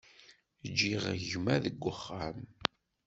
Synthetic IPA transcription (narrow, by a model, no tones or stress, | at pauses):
d͡ʒːiʁʝmæðəɡʷːəχːam